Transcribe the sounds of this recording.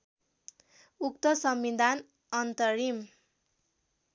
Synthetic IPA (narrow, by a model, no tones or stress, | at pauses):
ukt̪ʌsʌmːid̪ʱan | ʌnt̪ʌɾim